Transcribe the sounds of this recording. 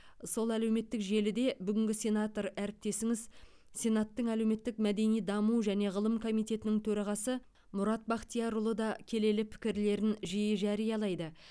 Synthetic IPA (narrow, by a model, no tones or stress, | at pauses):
so̞lˠælæwme̞t̪ːɪkʒe̞lɪd̪e̞bʏɡʲɪŋɡʲɪsʲe̞nat̪o̞ɾæɾɪp̚t̪e̞sɪŋɪz | sʲe̞nɑt̪ːəɴælewme̞t̪ːɪkmæd̪e̞nijd̪ɑmuʒæne̞ʁəlˠəmkʰo̞mijt̪e̞t̪ɪnɪŋt̪ʰɵɾɑʁɑsə | mʊɾɑt̪̚bɑqt̪ijɑɾʊlˠəd̪ɑkʲʰe̞le̞lɪpʰɪ̥kʲɪɾle̞ɾɪnʒijɪʒæɾijɑlˠɑjd̪ə